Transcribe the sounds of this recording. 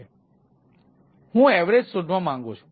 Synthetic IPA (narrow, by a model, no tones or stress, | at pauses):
hũɛʋɾed͡ʒsod̪ʱʋãmãŋɡot͡ʃʰu̥